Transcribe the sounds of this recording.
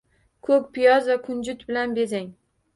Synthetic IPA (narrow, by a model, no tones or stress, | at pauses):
kʰɵkʲpʰɪjɒzvakʰʊnd͡ʒʊt̪bɪlanbezaŋ